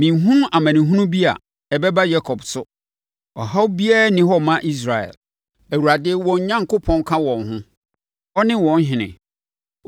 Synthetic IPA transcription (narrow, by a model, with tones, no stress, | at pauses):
mĩ˨n˨ɦũ˦a˨mæ̃˨nĩ˨ɦũ˦nũ˦bi˦a̰˨ | ɛ˨bɛ˦ba˦ja˦kʰɔ˨bsʊ˦ | ɔ̰˨ɦa˦wbi˦a˦nɪ̃˦hɔ˦mã˦ʔi˦s̬ɾa˨ɛ̰˨l | æ˨wu˨ɾa˨dɪ˦wɔ̃˨ɲ˦ɲã˦ŋkʰʊ˦pʰɔ̃˦nkʰã˦wɔ̃˨nɦʊ̃˦ | ɔ˦nɪ̃˦wɔ̃˨n˦ɦɪ̃˨nɪ̰̃˨